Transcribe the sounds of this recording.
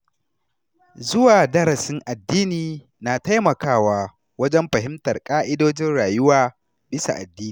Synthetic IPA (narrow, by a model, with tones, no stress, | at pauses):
zʊ˦waː˨dɐ˦ɾɐ˨sɪ˦ŋʔa˨dːiː˦niː˨ | naː˨ta˦jmɐ˨kaː˦˨waː˦ | wɐ˦d͡ʒɛ˦mɸɐ˨ɦɪ˦mtɐ˨rkʼaː˦ʔɪ˦doː˦d͡ʒɪ˦nɽaː˨jʊ˦waː˦ | bɪ˦sa̰˨ʔa̰˨dːiː˦niː˨